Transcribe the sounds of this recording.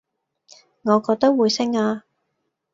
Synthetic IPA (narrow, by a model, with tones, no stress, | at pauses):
ŋɔː˨˧kɔː˧k̚t̪ɐ˥k̚wuː˨˧jsɪ˥ŋaː˧